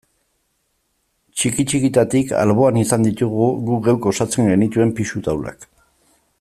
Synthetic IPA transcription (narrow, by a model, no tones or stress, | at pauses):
t͡ʃikit͡ʃikit̪at̪ika̰lβo̞anisand̪it̪uɣuɣuɡewko̞sat͡se̞ŋɡe̞nit̪ue̞mpiʃut̪awla̰k